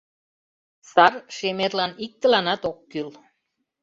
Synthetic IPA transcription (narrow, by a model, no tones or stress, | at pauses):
sɑrʃemerlɑnik̚t̪ə̆lɑnɑt̪okːyl